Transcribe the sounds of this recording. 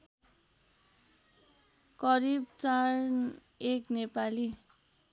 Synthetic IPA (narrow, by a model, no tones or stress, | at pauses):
kʌɾibt͡sar | eknepali